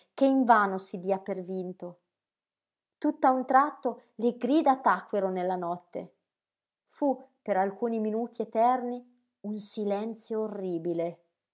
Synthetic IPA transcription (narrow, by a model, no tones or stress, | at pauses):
keiɱvaːnosid̪iːapervint̪o | t̪ut̪ːaunt̪ɾat̪ːoleɡɾiːd̪at̪akːweɾonelːanɔt̪ːḛ | fupeɾalkuːniminuːt̪iet̪ɛrni | unsilɛnt̪sjoːrːiːbile